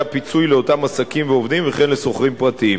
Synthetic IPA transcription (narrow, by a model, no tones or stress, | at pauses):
apit͡sujleo̞tamasakimveo̞vd̪imveχe̞nleso̞χʁimpʁattiim